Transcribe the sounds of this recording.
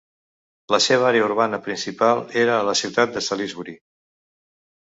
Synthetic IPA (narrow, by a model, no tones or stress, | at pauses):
ləseβ̞əaɾeəuɾβanəpɾinsipalˠeɾəːləsiwt̪at̪̚d̪əsalizβuɾi